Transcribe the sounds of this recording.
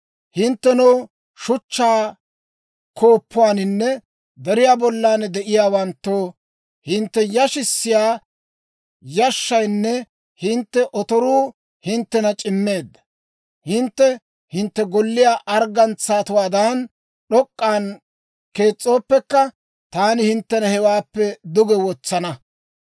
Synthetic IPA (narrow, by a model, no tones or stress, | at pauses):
hɪnt̪ːɛnɐw | ʃʊt͡ʃːaː | kʰo̞ːpʰːʊwaːnɪnːɛ | d̪ɛɾɪjaːbɔlːaːnɛd̪ɛʔɪjaːwɐnt̪ːoː | hɪnt̪ːɛjɐʃɪsːɪjaː | jɐʃːɐjnːɛ | hɪnt̪ːɛʔɔt̪ɔɾuː | hɪnt̪ːɛnɐt͡ʃʼɪmːe̞ːd̪ːɐ̥ | hɪnt̪ːɛ | hɪnt̪ːɛɡɔlːɪjaːʔɐɾɡɐnt͡sːaːt̪ʊwaːd̪aːn | ɗɔkʼːaːn | ke̞ːt͡sʼːo̞ːpːɛkːɐ | t̪aːnɪhɪnt̪ːɛnɐhɛwaːpːɛd̪ʊɡɛwɔt͡sːɐnɐ